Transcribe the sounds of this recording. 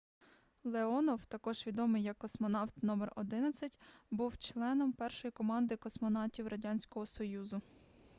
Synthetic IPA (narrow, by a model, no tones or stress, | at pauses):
lˠeɔnɔwt̪ɐkɔʒ̥ʋʲid̪ɔmɪjːɐkːɔsmɔnɑwt̪nɔmerɔ̰d̪ɪnɐt͡sʲːɐtʲbuwt͡ʃlˠɛnɔmpɛrʃɔjikɔmɑnd̪ɪkɔsmɔnɑtʲiwɾɐdʲanʲsʲkɔɦɔsɔjuzʊ